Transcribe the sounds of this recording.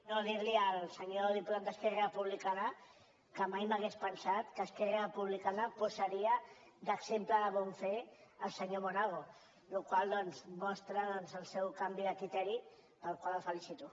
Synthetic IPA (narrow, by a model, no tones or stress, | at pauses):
noðiɾliəlsəɲoðipland̪əskɛrapuβlikana | kəmajməɣespənsat̪kəskɛrapuβlikanəpuzəɾiə | d̪əksempləðəβɔɱfeəlˠsəɲomonaɣo | lukwalˠd̪ɔnzmɔst̪ɾəðɔnzəlˠsɛwkambiðəkɾit̪ɛɾi | pəlˠkwaləfəlisit̪u